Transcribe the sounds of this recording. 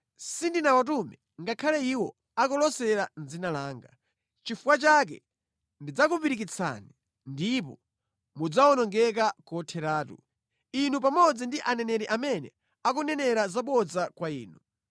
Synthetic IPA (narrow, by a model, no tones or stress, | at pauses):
sindinawat̬umɛ | ŋɡakʰalɛiwɔ | akɔlɔsɛɾanzinalaːŋɡa | t͡ʃifuwat͡ʃak̬ɛ̰ | ndid͡zakupiɾikit͡sʰa̰ni | ndipɔ | mud͡zaɔnɔŋɡɛk̬akɔtʰɛɾaːtṵ | inupamɔd͡zindiʔanɛnɛɾɛʔamɛnɛ̰ | akunɛnɛɾazaɓɔd͡zakwaiːnu